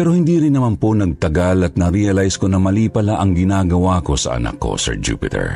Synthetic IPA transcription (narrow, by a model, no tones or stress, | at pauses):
pɛɾo̞hɪnd̪iːɾɪnːɐmanponɐɡ̚t̪ɐɡalɐt̪̚nɐɾiɐlajskonɐmɐliːpɐlaʔɐŋɡɪnaːɡɐwaːko̞sɐ̰ʔɐ̰na̰kʰːo̞̰sɛ̰ɹd͡ʒṵːpɪt̪ɛ̰ɹ